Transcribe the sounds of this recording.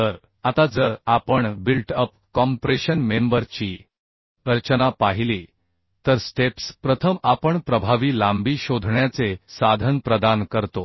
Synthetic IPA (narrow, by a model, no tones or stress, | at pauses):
t̪əɾ | at̪ad͡zəɾapəɳbilʈəp | kɔmpɾeɕənmembəɾt͡ɕiː | əɾt͡ɕənapaɦiliː | t̪əɾsʈepspɾət̪ʰəmapəɳpɾəbʱaʋiːlambiːɕod̪ʱɳjat͡sesad̪ʱənpɾəd̪ankəɾt̪o